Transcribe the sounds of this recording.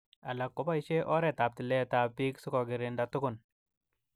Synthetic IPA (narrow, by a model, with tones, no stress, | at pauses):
a˨la˨kːo˦pa˦i˦ʃe˦ʔɔ˦ɾɛ˨ta˨p̚tɪ˨lɛ˦ta˨pi˦ksu˦kɔ˨ɡɪ˨ɾɪ˨nda˨tʊ˦kʊ˨n